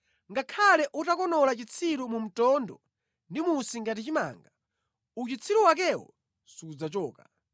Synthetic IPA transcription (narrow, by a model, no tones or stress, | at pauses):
ŋɡakʰalɛʔutakɔnɔlat͡ʃit͡sʰiɾumum̩tɔndɔ̰ | ndimusiŋɡat̬it͡ʃima̰ːŋɡa | ut͡ʃit͡sʰiɾuwak̬ɛwɔ̰ | suud͡zat͡ʃɔːka